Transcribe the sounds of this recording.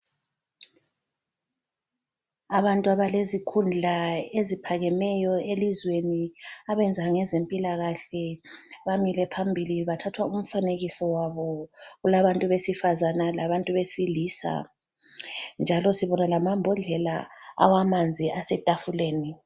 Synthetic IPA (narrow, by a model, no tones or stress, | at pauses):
aβantʼuaβalezikʰund͡ɮʱaezipʰaɣɛmɛjɔelizweniaβɛnd͡zʱaŋɛzempʼilaɣaɬɛβamilɛpʰambʱiliβatʰatʰwaum̩faneɣisɔwaβɔɣulaβantʼuβesifazanalaβantʼuβesiliːsa̰ | nd͡ʒʱalɔsiβɔnalamambʱɔɮɛla̰a̰wamand͡zʱiasɛtʼafuleːni